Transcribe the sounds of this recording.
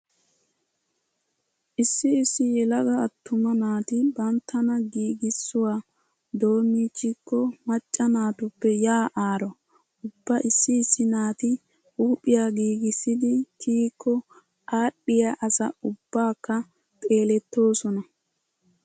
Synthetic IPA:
ʔɪsːɪːsːɪjɛlɐɡɐːt̪ːʊmɐnaːt̪ɪbɐnt̪ːɐnɐɡiːɡɪsːʊwaː | d̪o̞ːmiːt͡ʃːɪkːɔmɐt͡ʃʼːɐnaːt̪ʊpːɛjaːʔaːɾɔ | ʊbːaʔɪsːɪːsːɪnaːt̪ɪ | uːpʼɪjaːɡiːɡɪsːɪd̪ɪkʰiːkːɔ | aːɗːɪjaʔɐsɐ̰ʊbːaːkːɐ | t̪ʼe̞ːlɛt̪ːo̞ːsɔnɐ

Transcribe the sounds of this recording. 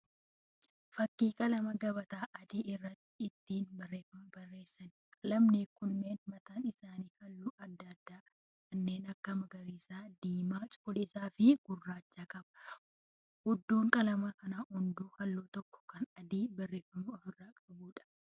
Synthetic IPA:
fɐkːiːkʼɐlɐmɐɡɐbɐt̪aːʔɐd̪iːɪrːɐt̪ːɪɪt̪ːiːnbɐrːe̞ːfɐmɐbɐrːe̞ːsːɐnkʼɐlɐmnekʊnːe̞ːnmɐt̪aːnɪsaːniːhɐlːuːʔɐd̪ːɐːd̪ːaː | kɐnːeːnɐkːɐmɐɡɐɾiːsaːd̪iːmaːt͡ʃʼɔlɪːsaːfɪɡ̥ʊrːaːt͡ʃːaːkʼɐbɐ̥ | hʊd̪ːoːŋkʼɐlɐmakɐnaːhʊnd̪uːhɐlːoːt̪ɔkːɔ̥kɐnɐd̪iːbɐrːe̞ːfɐmɐːfɪrːaːkʼɐbuːᶑɐ̥

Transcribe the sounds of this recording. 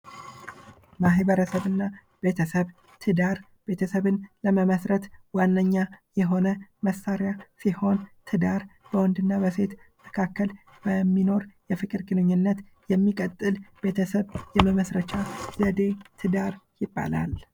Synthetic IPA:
maɦbəɾəsəβɨnːa | b̥e̞t̪ʰəsəβ | t̪ʰɨd̪aɾ | b̥e̞t̪ʰəsəβɨnləməməsɾət̪wanːəɲːajɛɦo̞nəməsːaɾjasiho̞nt̪ʰɨd̪aɾbəwɔnd̪ɨnːabəse̞t̪məkʰakːəl | b̥əmːino̞ɾjɛfɨkʼɨɾɡɨnɨɲːɪnːət̪ | jɛmːikʼət̪ʼːɨlb̥e̞t̪ʰəsəβjɛməməsɾət͡ʃazəd̪e̞t̪ʰɨd̪aɾjɪbːa̰la̰l

